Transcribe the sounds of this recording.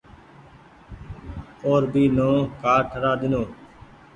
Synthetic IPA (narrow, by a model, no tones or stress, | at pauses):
oːɾbiːnõːkaːɾʈʰəɾaːɗ̪ɪnõː